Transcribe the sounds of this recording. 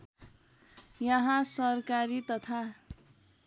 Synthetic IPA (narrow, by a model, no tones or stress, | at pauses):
jʌɦãsʌrkaɾit̪ʌt̪ʰa